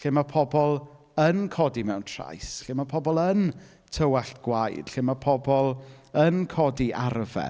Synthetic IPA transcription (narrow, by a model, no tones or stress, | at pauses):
ɬɪmapʰɔbɔlˠ | ənkʰɔdimɛwntʰra̰jsɬɪmapʰɔbɔlˠən | tʰəwaɬtɡ̥wajd̥ɬɪmapʰɔbɔlˠənkʰɔdiʔarvɛ̰